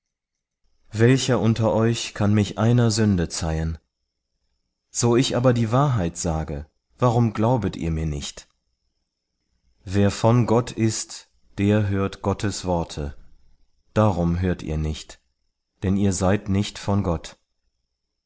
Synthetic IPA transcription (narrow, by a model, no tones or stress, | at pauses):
vɛlçɐʔʊntɐʔɔʏçkʰanmɪçʔaɪnɐzʏndət͡saɪən | z̥oːɪçʔaːbɐdiːvaːɐɦaɪtz̥aːɡə | v̥aʁʊmɡlaʊbətʔḭːɐmiːɐnɪçt | veːɐfɔnɡɔtʰɪst | d̥eːɐɦøːɐtɡ̥ɔtʰəsv̥ɔɐtʰə | d̥aːʁʊmɦøːɐtʰḭːɐnɪçt | d̥ɛniːɐzaɪtnɪçtfɔnɡɔt